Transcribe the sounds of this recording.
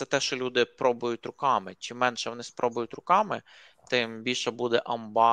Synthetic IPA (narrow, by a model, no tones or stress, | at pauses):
sɛt̪ɛʃt͡ʃɔlʲud̪ɪpɾɔbʊjʊtʲɾʊkɑmɪt͡ʃɪmːɛnʃɛʋɔnɪspɾʔɔbʊjʊt̪ʲɾʊkɑmɪ | t̪ɪmbʲilʲʃɛbud̪ɛʔɐmbɑ